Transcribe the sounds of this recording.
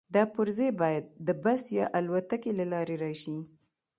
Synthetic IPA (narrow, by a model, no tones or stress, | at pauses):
d̪ɑpʊɾzebɑjad̪̚ːəbasjɑʔalwat̪akelalɑɾeɾɑʃi